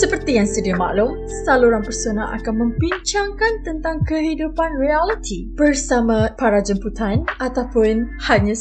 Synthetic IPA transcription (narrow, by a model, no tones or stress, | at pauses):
səpərt̪ijaŋsədiama̰ʔlum | saluɾanpərsonaʔa̰kanmə̃mbiɲt͡ʃaŋkant̪ənt̪aŋkəɦidupanrialit̪ʰi | b̥ərsamãpaɾad͡ʒəmput̪anʔat̪awpʊn | haɲã